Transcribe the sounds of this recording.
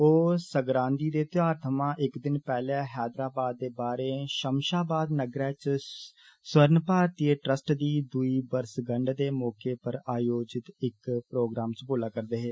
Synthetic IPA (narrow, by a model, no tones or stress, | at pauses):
oːsəɡɾãːnd̪iːd̪eːt̪ɪjaːɾt̪ʰəmãːʔɪkd̪ɪnpɛːlaɦɛːd̪ɾaːbaːd̪̚ːeːbaːɾeːʃəmʃaːbaːd̪nəɡɾɛːt͡ʃ | swəɾnpaːɾt̪ieːʈɾəsʈd̪iːd̪uiːbəɾsɡəɳɖd̪eːmɔːkeːpəɾaːjoːd͡ʒɪt̪ɪkpɾoːɡɾaːmt͡ʃboːlaːkəɾd̪eːɦeː